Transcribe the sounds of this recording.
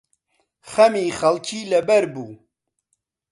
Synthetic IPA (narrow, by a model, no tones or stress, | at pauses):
xɐmiːxɐlkʰiːlɐbɛɾbuː